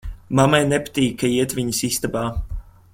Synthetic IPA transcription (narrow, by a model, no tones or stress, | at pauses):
mamajnepḁt̪iːkʰːaiɛt̪viɲəsist̪abaː